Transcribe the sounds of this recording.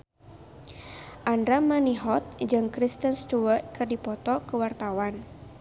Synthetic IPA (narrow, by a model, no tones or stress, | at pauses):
ʔandɾamaniɦɔt̪̚d͡ʒɨŋkɾist̪ənst̪uwərt̪̚kɨrdipɔt̪ɔkəwart̪awan